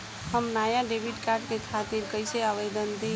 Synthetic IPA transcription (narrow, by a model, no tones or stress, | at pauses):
həmnajaɖebʱiʈkaɾɖkekʰat̪iɾkəjseaʋed̪ənd̪e